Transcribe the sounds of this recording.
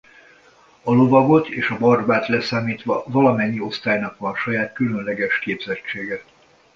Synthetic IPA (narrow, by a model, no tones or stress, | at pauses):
ɒlo̞vɒɡo̞t̪eːʃɒbɒrbaːt̪lɛsaːmiːt̪ʋɒvɒlɒmɛɲːio̞st̪aːjnɒkʋɒnʃɒjaːt̪kylønlɛɡɛʃkeːbz̥ɛt͡ʃːeːɡɛ